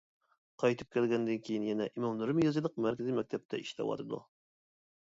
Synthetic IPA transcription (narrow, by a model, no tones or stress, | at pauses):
qʰɑjt̪ʰɨp̚kʲʰælɡʲɛnd̪ɨnkʲʰejinjɛnɛʔimomlˠɨɾɨmjɑzɨlˠəq̚mæɾkʲizimɛk̚ʲt̪ʰɛp̚t̪ʰɛ̰iʃlɛ̰wɑ̰t̪ʰɨd̪ṵ